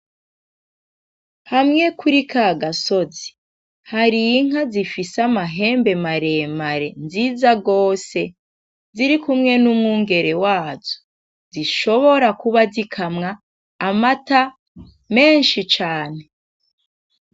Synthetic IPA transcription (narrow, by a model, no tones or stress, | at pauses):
hamŋe̞kʰuɾikaɡaso̞zi̥ | haɾiŋ̥azifisamaɦe̞ːmbe̞maɾe̞maɾe̞nziːzaɡo̞ːse̞ | ziɾikumŋe̞numŋuːŋɡe̞ɾe̞waːzo̥ | ziʃo̞βo̞ɾakuβazikʰamŋaː | mata | me̞ːnʃit͡ʃaːne̞